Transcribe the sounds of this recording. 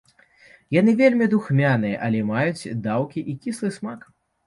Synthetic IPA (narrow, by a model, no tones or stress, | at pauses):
janɨvʲelʲmʲid̪uxmʲanɨjɐʔɐlʲɛmajut͡sʲd̪awkʲiʔikʲislˠɨsmak